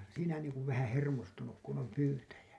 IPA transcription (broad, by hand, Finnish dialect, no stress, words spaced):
siːnæ niːŋkuʋ ʋæhæ̃ː hermostunuk kun om pyːtæjæ